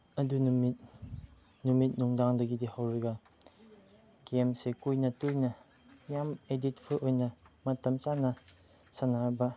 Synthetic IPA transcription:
ɐdunumit̚ | numit̚nuŋdaŋdɐɡidihɐwɾeɡɐ | ɡemsekujnɐtujnɐ | jamedit̚pʰɯʔojnɐmɐtɐmt͡ʃanɐ | sɐnaɾbɐ

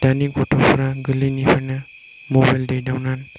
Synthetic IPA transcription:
d̥anikɔtʰɔpʰɾaɡɯlinipʰana | mɔbajldejdawnan

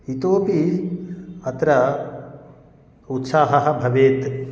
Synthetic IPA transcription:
it̪oːpi | ɐt̪ɾɐ | ut̪saːɦɐɦɐ̆bʱɐʋeːt̪

